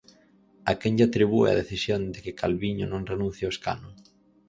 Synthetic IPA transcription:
akɛŋʎat̪ɾiβuḛa̰ðeθisjond̪ɪkɪkʰalβiɲʊnõŋrenũn̟θjaoeska̰nʊ

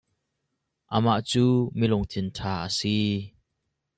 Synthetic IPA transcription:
ʔəmaʔt͡suːmilʊŋt̪ʰɪntʰaːʔəsi

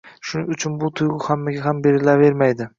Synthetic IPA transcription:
ʃʊnɪŋʊt͡ʃʰʊnbʊt̪ʰʊjʁʊhamːaɡʲaɦambe̞ɾɪlave̞ɾmajd̪ɪ

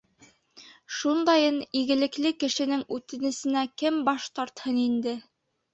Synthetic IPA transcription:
ʃund̪ɑjɤniɡɘ̆lɘ̆klɘkɘ̆ʃɘ̆nɘŋʉt̪ɘ̆nɘ̆sɘ̆nækɘmbɑʃt̪ɑɾt̪hɤnind̪ɘ

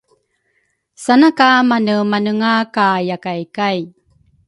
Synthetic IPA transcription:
sanakamanəmanɯŋakajakajkaj

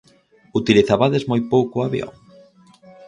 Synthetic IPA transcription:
ut̪iliθaβaðezmojpowkʊaβjo̰ŋ

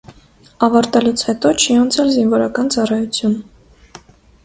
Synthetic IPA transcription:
ɑvɑɾt̪ɛlut͡sʰhɛt̪ɔt͡ʃʰiɑnt͡sʰɛlzinvɔɾɑkɑnt͡sɑrɑjut͡sʰjun

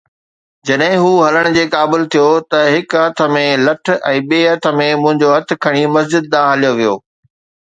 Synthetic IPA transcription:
d͡ʑɐɗɦɪ̃ɦuːɦɐləɽ̃ʊd͡ʑeːkaːbɪlt̪ʰijot̪ɐɦɪkɦɐt̪ʰə̆mẽlɐʈʰɛ̃ːɓeːɦɐt̪ʰə̆mẽmʊ̃ɦɪ̃ɲd͡ʑoɦɐt̪̆ʰkʰɐɽ̃imɐzd͡ʑɪd̪̚ːaːɦɐlijoʋijoː

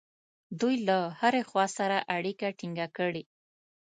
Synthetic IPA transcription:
d̪ujlahaɾexwɑsaɾaʔaɽikaʈiŋɡakəɽe

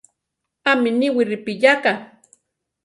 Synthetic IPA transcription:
aminiwiɾipijaka

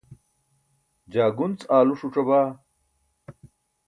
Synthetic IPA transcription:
d͡ʑaːɡunt͡saːluʂuʈ͡ʂɐbaː

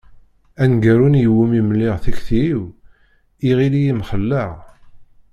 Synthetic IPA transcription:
ænɡəɾunjəwimimlːiʁθæçθiw | iʁilijimχəlːəʁ

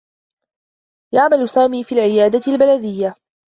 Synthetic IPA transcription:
jaʕmalʊsaːmiːfiːlʕɪjaːd̪aɪlbalad̪ɪjːa

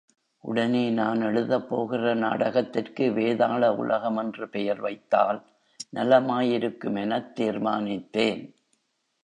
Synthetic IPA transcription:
ʔʊɽɐneːnaːnɛɻɯðɐpːoːɣɪrɐna̰ːɽɐɣɐt̪ːɪrkɯʋeːðaːɭɐʊ̰lɐɣɐmɛndrɯpɛjɐɾʋɐɪt̪ːa̰ːl | nɐlɐmaːjɪɾɯkːɯmɛnɐt̪ːiːrmaːnɪt̪ːeːn

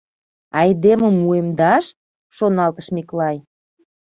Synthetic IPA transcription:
ɑjd̪emə̆muemd̪ɑʃ | ʃonɑlt̪ə̆ʃmiklɑj

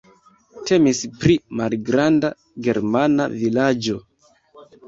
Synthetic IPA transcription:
te̞mispɾimalɡɾanda | ɡe̞ɾmana̰vilad͡ʒo̞

